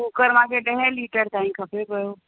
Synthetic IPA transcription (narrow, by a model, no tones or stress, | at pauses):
ukəɾmãːkeɖə̃ɦẽliːʈəɾt̪aːĩkʰɐpepəjo